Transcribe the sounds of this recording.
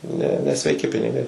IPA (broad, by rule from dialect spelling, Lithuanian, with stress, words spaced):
nʲɛ nʲɛsʲʋʲɛɪˈkʲɪ pʲɪnʲɪˈɡɐɪ